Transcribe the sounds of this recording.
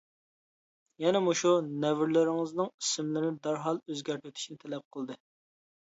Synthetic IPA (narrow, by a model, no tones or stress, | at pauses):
jɛnɛmoʃunɛvɪɾlɪɾɪŋɨznɪŋisɪmlɪnɪd̪ɑɾɦɑlˠøzɡʲæɾt̪ʰyt̪ʰy̥ʃnɪt̪ʰɛlɛp̚qʰəlˠd̪ɨ